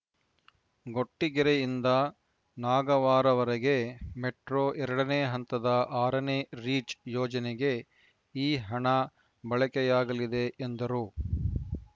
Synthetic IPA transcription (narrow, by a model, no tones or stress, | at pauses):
ɡo̞ʈːiɡiɾejind̪ɐ | naːɡɐʋaːɾɐʋɐɾɐɡemeʈɾoːʔɛɾɐɽɐneːɦɐnt̪ɐd̪ɐʔaːɾɐneːɾiːt͡ʃjɔːd͡ʒɐneɡe̞ | iːɦɐɳɐ | bɐɭɐkɛjaːɡɐlid̪e̞ʔːnd̪ɐɾuː